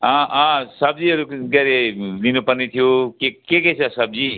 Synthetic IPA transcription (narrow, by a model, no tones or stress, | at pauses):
ɦʌ̃ʌ̃sʌb̚d͡ziʌɾuɡʌɾelinupʌrnet̪ʰijokekeket͡sʰʌsʌb̚d͡zi